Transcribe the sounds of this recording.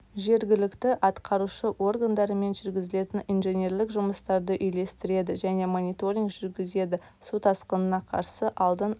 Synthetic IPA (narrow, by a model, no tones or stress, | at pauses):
ʒe̞ɾɡʲɪlɪkt̪ɪʔɑt̪qɑɾuʃəwʔo̞rɡand̪ɑɾəme̞nʒʏɾɡʲɪzɪle̞t̪ɪninʒe̞nʲe̞ɾlɪkʒʊməst̪ɑɾd̪əʔʏjle̞st̪ɪɾe̞d̪ɪʒæne̞monʲijt̪o̞ɾʲiŋɡʒʏɾɡʲɪze̞d̪ɪ | sut̪ɑsqənənɑqʰɑ̰ɾsəʔɑlˠd̪ən